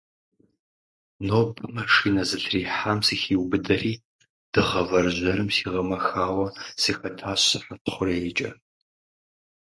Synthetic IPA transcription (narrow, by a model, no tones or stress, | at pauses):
noːbɨmɐʂiːnɐzɨɬʰriːħamsixiwbɨdɐriː | d̥ɨʁɐvɐrʒʷɐɾɨmsiːʁɐmɐxaːwɐsixɐtʰaːɕsɨħatʰχʷʊret͡ʃʼɐ̰